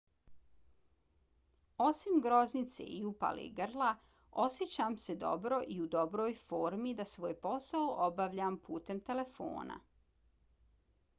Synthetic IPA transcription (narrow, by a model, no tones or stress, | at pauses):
o̞simɡɾo̞znit̪sḛiupa̰lḭɡɾla | o̞sjet͡ɕaːmse̞d̪o̞̰bɾo̞ʔiud̪o̞bɾo̞ːjfoːɾmid̪asʋoːjpo̞saoʔobaʋʎampuːt̪e̞mt̪e̞le̞fo̰ːna̰